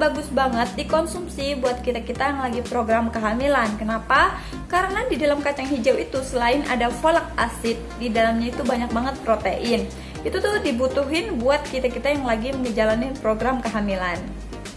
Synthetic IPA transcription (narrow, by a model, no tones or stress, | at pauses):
baɡʊsbaŋət̪̚dikɔnsumsibuat̪̚kit̪akit̪ajaŋlaɡipɾoɡɾamkəɦamilankənapa | kaɾənadidalamkat͡ʃaŋhid͡ʒawit̪usəlaɪnʔa̰dafolak̚asɪt̪̚didalamɲait̪ubaɲak̚baŋət̪̚pɾot̪eʔɪn | ʔit̪ut̪ʊdibut̪uɦɪnbuat̪̚kit̪akit̪ajaŋlaɡiməŋəd͡ʒalanipɾoɡɾamkəɦamilan